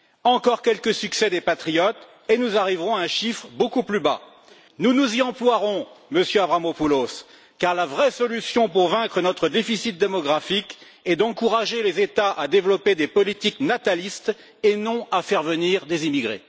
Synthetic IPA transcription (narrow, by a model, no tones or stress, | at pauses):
ɑ̃kɔʁkʲɛlkəsyksɛd̪epat̪χijɔt̪ | enuzaʁivʁɔ̃aɛ̃ʃifχbokuplyba | nunuziɑ̃plwaʁɔ̃məsjøabʁamopulos | kaʁlavʁɛsɔlysjɔ̃puʁvɛ̃kχənɔt̪χəd̪efisit̪̚d̪emɔɡʁafik | ɛd̪ɑ̃kuʁaʒelezet̪aʔad̪evlɔped̪epɔlit̪iknat̪alist̪ | enɔ̃afɛʁvəniʁd̪ezimiɡʁḛ